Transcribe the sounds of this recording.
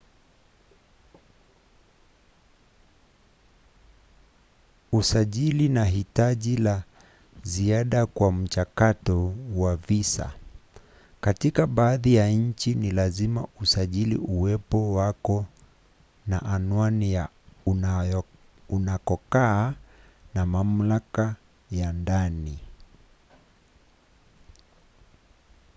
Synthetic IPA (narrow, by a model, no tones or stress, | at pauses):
usaʄilinaɦitaʄila | ziaɗakwam̩t͡ʃakatɔwavisa̰ | katikaɓaːðijaɲ̩t͡ʃinilazimausaʄilḭʔuwɛpɔwakɔ | na̰ʔanwanija | unakɔkaː | namam̩laka | jandani